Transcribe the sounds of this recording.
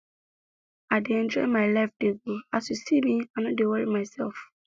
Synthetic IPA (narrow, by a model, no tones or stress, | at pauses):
adeɛ̃nd͡ʒɔ̰ɪmaɪlafdeɡuasjusimĩãnɔ̃dewɛɹḭmaɪsɛlf